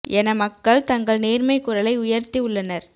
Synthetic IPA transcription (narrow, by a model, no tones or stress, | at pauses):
ɛnɐmɐkːɐɭt̪ɐŋɡɐɭneːɾmɐɪkːʊɾɐlɐɪʊjɐɾt̪iʊɭːɐnɐɾ